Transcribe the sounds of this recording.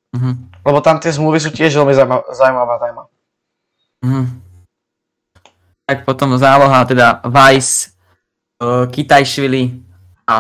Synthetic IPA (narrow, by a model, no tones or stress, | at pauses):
m̩ɦm̩lɛbɔt̪amt̪ɪɛzmluːʋis̬uːt̪ɪɛʒʋɛlmizamazawumaʋazawma | ɦ̩ | t̪ak̚pɔt̪ɔmzaːlɔɦat̪ɛd̪aʋajs | kit̪ajʃʋili | a